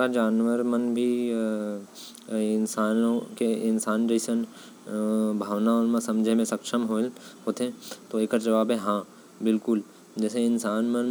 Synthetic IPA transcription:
ad͡ʒaːnʋəɾmənbʱi | ɪnsaːnõkeɪnsaːnd͡ʒəɪsən | bʱaːʋnaʊnmãsɐ̃md͡ʒʱemẽsɐkʃəmɦoɦoːt̪ɦẽt̪oeːkəɾd͡ʒɐʋaːbɦɛɦã | bɪlkʊl | d͡ʒɛːseɪnsaːnmən

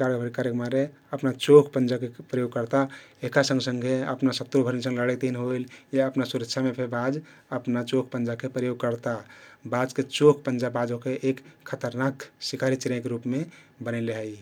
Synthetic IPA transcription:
kaɾɡbʱəɾikaɾəkmaɾe | əpnat͡ʃokʰpənd͡ʒakepɾəjoɡ̚kəɾt̪aekasə̃ŋɡsəŋɡʱeə̰pnasət̪ɾobʱəɾnisə̃ŋɡləɽet̪inɦojljaəpnasuɾəkʃʰamepʰebad͡ʒ | əpnat͡ʃokʰpə̃nd͡ʒakepɾəjoɡ̚kəɾt̪abad͡ʒket͡ʃokʰpənd͡ʒabad͡ʒokeʔekʰːət̪əɾnaksikʰaɾit͡ʃiɾakeɾupmebənəleɦəj

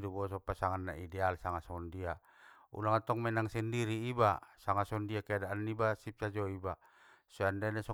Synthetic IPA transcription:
dubɔs̬ɔpasaŋanːa̰idɛalsaŋasɔndia | ṵlaŋat̪ɔŋmɛnaŋsɛndiɾiːbasaŋasɔndiakɛadaʔanːibasip̚sad͡ʒɔiba | sɔandɛnasɔ

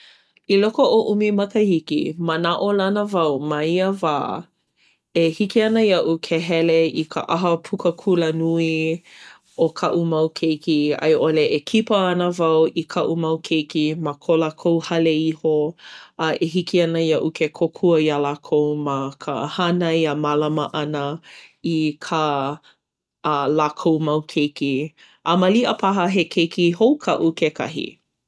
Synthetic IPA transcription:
ilokoʔoʔumimɐkəhikḭmənaʔolɐnəvɐwmɐiəvaː | ehikiɐnəjɐʔukʰeɦɛleikʰə̰ʔɐɦəpʰukəkʰulənui | okʰɐʔumɐwkʰejkiɐ̰jʔoleʔekʰipəɐnəvɐwikʰɐʔumɐwkʰejkimakʰolakʰowhɐleihoɐʔeɦikiɐnəiaʔukʰekʰokʰuəialakʰowmɐkʰə̰hanɐjamalɐməʔɐnəikʰa | lakʰowmɐwkʰejki | ʔɐmɐliʔəpʰɐɦɐɦekʰejkiɦowkʰɐʔukʰekʰɐ̰ɦḭ

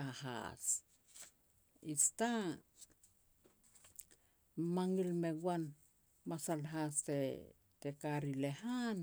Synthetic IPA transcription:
aɦa̰s | ista | maŋilme̞ɡuan | masalɦaste | tekaɾile̞han

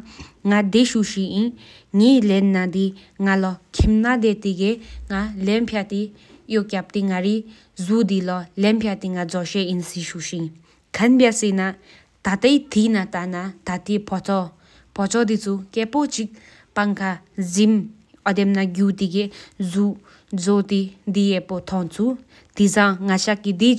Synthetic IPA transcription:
ŋad̪eɕuʔɕiʔʔin | ŋeːlenːad̪i | ŋalɔkʰimnad̪et̪iɡeŋalɛnpʰjat̪i | joʔkap̚t̪eŋaɹi | zud̪ilɔlɛnpʰjat̪iŋad͡zɔɕɛʔinsiɕuɕin | kʰanbjasena | t̪at̪ajt̪inat̪anat̪at̪et͡s | pʰɔt͡sɔd̪it͡sʰukɛpot͡ɕik̚ | paŋkʰazim | ʔɔd̪emnaɡut̪iɡezu | d͡zot̪id̪ijɛpot̪ʰɔŋt͡sʰu | t̪isaŋŋaɕakːid̪i

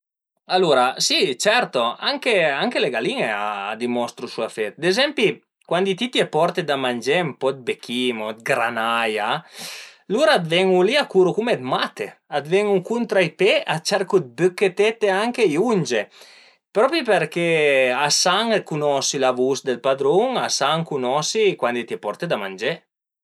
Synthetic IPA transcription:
aluɾasit͡ʃɛɾt̪oa̰ŋkeaŋkeleɡaliŋea̰ːd̪imɔst̪ɾusuafɛt̪̚d̪ezɛmpi | kwand̪it̪it̪iepɔɾt̪ed̪amand͡ʒempɔd̪̚bekʰːimod̪ɡɾanaja | luɾaad̪vɛŋuliakuɾukumed̪mat̪ead̪vɛŋuŋkunt̪ɾajpeʔat͡ʃaɾkud̪̚bøkːet̪et̪ːeaŋkejund͡ʒe | pɾɔpipeɾkeasaŋkunɔsilavusd̪elpad̪ɾoŋasaŋkunɔsikwand̪it̪jɛpɔɾt̪ed̪amand͡ʒe

